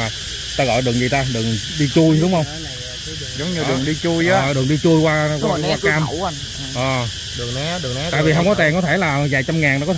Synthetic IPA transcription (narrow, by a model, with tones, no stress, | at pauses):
aː˨˩ | t̪aː˧ɣɔ̰ː˧˨jɗɨ˨˩ŋzi˨˩t̪aː˧ɗɨ˨˩əŋ | ɗi˧t͡ɕu˧jɗʊ˨˦ŋ͡mhə˧wŋ͡m | zə˨˦wŋ͡mɲɨ˧ɗɨ˨˩ə˩ŋɗi˧t͡ɕu˧jaː˦˨˦ɔ̰˧˨ɗɨ˨˩əŋɗi˧t͡ɕu˧jkwaː˧kaː˧waː˧kkaː˧m˧ | ʔəː˨˩ | ɗɨ˨˩ŋ˨˦ɨ˨˩˨a̰ː˧˨jvi˨˩ɦə˧wŋ͡mkɔ˨˦t̪ɛ˨˩ŋkɔ˨˦t̪ʰe˧˩laː˨˩zaː˨˩jt͡ɕa˧mŋaː˨˩nʔɔ˨˥kɔ˦